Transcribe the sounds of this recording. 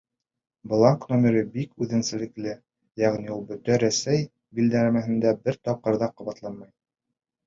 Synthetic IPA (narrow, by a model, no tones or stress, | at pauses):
blˠɑŋknomʲeɾɤbikʉðɘ̆nsɘ̆lɘ̆klɘ | jæʁniulˠbɵ̆t̪æɾæsæj | bild̪ææmæɦɘ̆nd̪æbɘɾt̪ɑp̚qɤ̆ɾðɑqŏβɑt̪lˠɑnmɑj